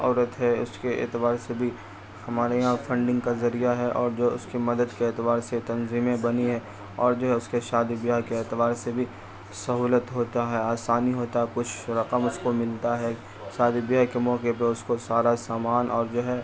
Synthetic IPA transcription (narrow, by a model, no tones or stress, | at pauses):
ɔːɾət̪ɦɛʊskeʔɪ̰t̪ɪbaːɾsebʱi | hɐmaːɾeɦãfʰɐ̃ɳɖɪ̃ŋɡkazɐɾijaɦɛʔɔːɾd͡ʒoːɦʊskimɐd̪əd̪keɪːt̪ɪʋaːɾset̪ɐnziːmẽbɐniɦɛː | ɔːɾd͡ʒoːɦɛʊskeʃaːd̪ibɪjaɦkeɪːt̪ɪʋaːɾsebʱi | sɐɦuːlət̪ɦoːt̪aɦɛaːsaːniɦoːt̪aɦɛkʊt͡ʃʰɾɐqəmʊskomɪlt̪aɦɛ | ʃaːd̪ibɪjaɦkemɔːkepɐɾʊskosaːɾasaːmaːnʔɔːɾd͡ʒoːɦɛ